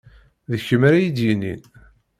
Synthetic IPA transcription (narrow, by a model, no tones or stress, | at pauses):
ðəçəmaɾæjid̪jinḭn